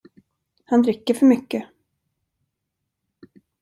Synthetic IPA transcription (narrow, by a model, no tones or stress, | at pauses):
hand̪ɾɪkːəɾfœɾmʏkːə